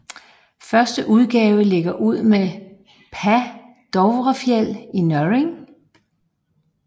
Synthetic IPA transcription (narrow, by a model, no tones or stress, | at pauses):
fɶɐsd̥əʔuð̞ˠɡ̥ɛːʊəle̝ɡ̥ɐʔuð̞̰ˠme | pʰæ | d̥ɒʊʋʁɐfjel̰inøʁeŋ